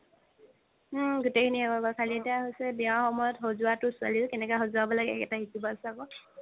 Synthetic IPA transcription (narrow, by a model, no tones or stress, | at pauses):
m̩ɡʊtekʰiniɛkabɔkʰalietijaɦojsɛbiãxɔmɔjɔtɦozʊatʊsʊa̰likɛnɛkɔɛxozuabɔlaɡɛɛ̰kɛtaɦisibɔasɛakɔ